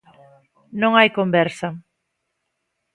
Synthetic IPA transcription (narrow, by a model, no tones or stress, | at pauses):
nõŋajkombɛɾsɐ